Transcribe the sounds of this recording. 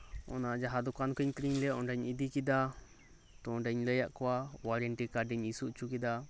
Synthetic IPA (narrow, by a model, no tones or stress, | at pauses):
ɔ̰naʔd͡ʒaɦad̪ɔkankəɲt̪ɾiɲlɛʔɔnɖɛɲid̪ikid̪a | t̪ɔɔnɖɛɲləjaʔkɔwawaɾɛɳʈikaɖiɲisuʔt͡ʃukid̪a